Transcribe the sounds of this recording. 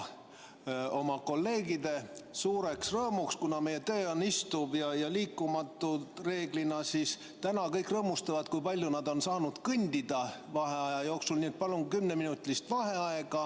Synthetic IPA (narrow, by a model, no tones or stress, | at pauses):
o̞mɑko̞lːe̞ːɡid̪e̞suːɾe̞ksrɤːmukskunɑme̞je̞t̪e̞ːonist̪ubjɑjɑliːkːumɑt̪ːˑut̪re̞ːɡ̥linɑsis | t̪ænɑkɤjkrɤːmust̪ɑvɑt̪kujpɑlʲjunɑd̪o̞nsɑːnud̪̥kɯnʲd̪̥id̪̥ɑvɑɦe̞ɑjɑjo̞ːksulnʲiːet̪̚pɑluŋkymneminut̪ʲlist̪vɑɦe̞ɑe̞ɡ̥ɑ